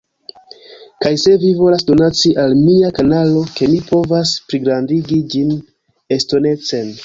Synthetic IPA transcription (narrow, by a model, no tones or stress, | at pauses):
kajse̞vivo̞lasdo̞nat͡siʔalmiakanalo̞ke̞mipʰo̞vaspɾiɡɾandiɡid͡ʒin | e̞sto̞ne̞t͡se̞n